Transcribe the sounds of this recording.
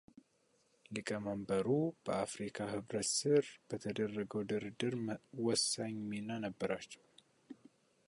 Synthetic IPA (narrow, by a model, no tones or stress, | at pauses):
lɨkʼəməmbəɾub̥əafɾikʰaɦɨβɾət̪sɨɾb̥ət̪ʰəd̪ərːəɡəwd̪ɨɾɨd̪ɨɾwɔsːaɲminːanəbːəɾat͡ʃːɛ̥w